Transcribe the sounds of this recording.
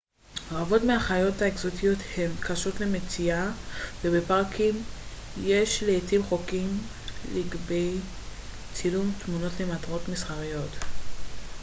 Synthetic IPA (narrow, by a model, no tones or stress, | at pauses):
oavo̞tmeaχajo̞taekzo̞tijo̞the̞mkaʃo̞tle̞me̞t͡siavebepaʁkʰim | je̞ʃleitivχo̞kim | liɡbe̞j | t͡silumtmuno̞tle̞matʁo̞tmisχaʁijo̞t